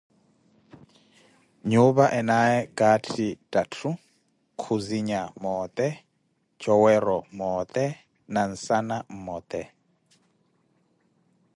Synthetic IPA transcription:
ɲuβaʔɛnaɛkʼatʰitʼatʰu | kʰuziɲamɔːt̪ʼɛ | t͡ʃʰʼɔwɛɾɔmɔt̪ʼɛ | nan̩sanam̩mɔːt̪ʼɛ

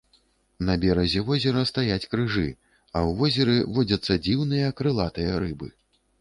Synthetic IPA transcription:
nɐbʲɛɾɐzʲɛvɔzʲɛɾɐst̪ajat͡sʲkɾɨʐɨ̰ | ɐwvɔzʲɛɾɨvɔd͡zʲɐt̪sːɐd͡zʲiwnɨjɐkɾɨlˠat̪ɨjɐɾɨbɨ

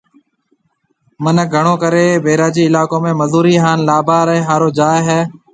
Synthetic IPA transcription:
mənəɡʱəɳoːkəɾeːbeːɾaːd͡ʒiːɪlaːkõːmẽːməzuːɾiːɦaːnlaːbaːɾɛːɦaːɾoːd͡ʒaːɦɛː

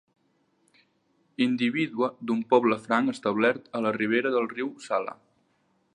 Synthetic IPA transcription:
ind̪iβiðuəd̪umpɔβləfɾaŋəst̪əβlɛɾt̪ələriβ̞eɾəðəlˠriwsalə̰

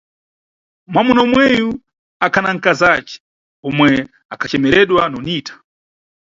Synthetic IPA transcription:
mwamunɔmwɛju | akʰanaŋ̩kazat͡ʃɛ̥ | ɔmwɛ | akʰat͡ʃɛmɛɾɛɗwanɔniːtḁ

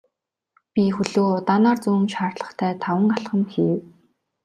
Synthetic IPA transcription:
pʲixɵɮoːt̪anaːrt͡suːŋʃaːrɮə̆χt̪ʰæːt̪ʰawə̆ŋaɬχə̆mxiːw

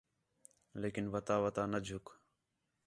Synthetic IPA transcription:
leːkɪnʋət̪aːʋət̪aːnəd͡ʒʱʊk

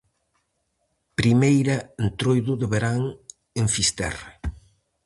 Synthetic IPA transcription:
pɾimejɾɐent̪ɾojðʊðeβeɾaŋ | eɱfist̪ɛ̰r

